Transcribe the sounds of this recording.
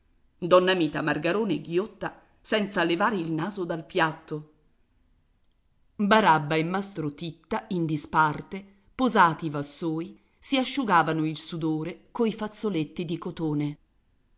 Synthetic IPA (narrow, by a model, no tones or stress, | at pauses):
d̪ɔnːamiːt̪amarɡaɾoːneɡjot̪ːa | sɛnt̪salevaːɾeilnaːzod̪alpjat̪ːo | baɾabːaemːast̪ɾot̪it̪ːaind̪ispart̪e | pozaːt̪ivasːoːj | siaʃːuɡaːvanoilsud̪oːɾekoifat̪sːolet̪ːid̪ikot̪oːne